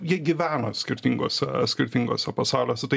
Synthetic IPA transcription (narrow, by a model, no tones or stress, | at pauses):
jiɛɡʲɪʋʲæːnosʲkʲɪɾʲt̪ʲɪŋɡoːsʲɛ̰sʲkʲɪɾʲt̪ʲɪŋɡoːsʲɛpɐsɑʊlʲoːsʲɛt̪ɐɪ